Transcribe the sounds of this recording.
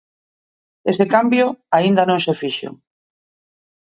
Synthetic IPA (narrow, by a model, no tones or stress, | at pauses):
esekambjoaind̪anõŋsefiʃo̰